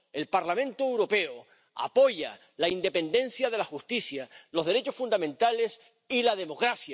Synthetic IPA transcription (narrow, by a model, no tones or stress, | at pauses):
e̞lpaɾlamẽ̞nt̪oewɾo̞pe̞o | a̰po̞ʝa̰ | laind̪e̞pe̞nd̪e̞n̟sjað̞e̞laxust̪isjalo̞zðe̞ɾe̞t͡ʃo̞sfund̪amẽnt̪ale̞s | ilað̞e̞mo̞kɾasja